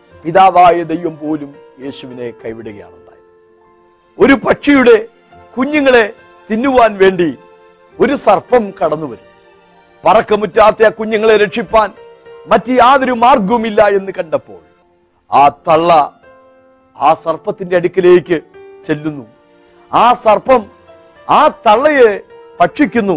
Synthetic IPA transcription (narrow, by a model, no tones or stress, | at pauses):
piðaːʋaːjɐd̪ejʋɐmpo̞ːlum | je̞ːɕuʋine̞kɐjʋiɽuɣɐja̰ːɳuɳɖa̰ːj | o̞ɾupɐʈʂijuɽe̞ | kuɲːɐŋːɐɭe̞ | t̪inːuʋaːnʋe̞ːɳɖi | o̞ɾusɐrpɐmkɐɽɐnːuʋɐɾumː | pɐrɐkːɐmutːaːt̪ːeɐkuɲːɐŋːɐɭe̞ɾeʈʂipːaːn | mɐtːɨjaːðoɾumaːrɡɐʋmilːɐe̞nːɨkɐɳɖɐpːo̞̰ːɭ | aːt̪ɐɭːɐ | aːsɐrpːɐt̪ːindeɐɽikʲːɐleːkʲːɨt͡ɕe̞lːunːu | aːsɐrpɐm | aːt̪ɐɭːɐje | pɐʈʂikʲːunːu